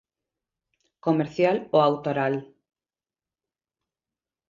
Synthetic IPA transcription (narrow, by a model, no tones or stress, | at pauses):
komeɾθjaloawt̪oɾal